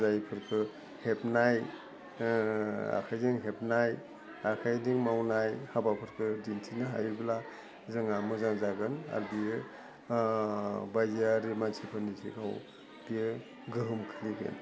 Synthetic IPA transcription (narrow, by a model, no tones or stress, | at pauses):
zajpʰɯɾkʰɯ | hepnaj | a̰kʰajziŋɦep̚naj | akʰajdiŋmawnajhabapʰɯɾkʰɯdintʰinɯɦa̰jbla | zɯŋamɯzaŋzaɡɯna̰ɾbijɯ | bajziaɾimansʰipʰanisʰḭka̰w | b̥ijɯ | ɡɯɦɯmkʰɯliɡɯ̰n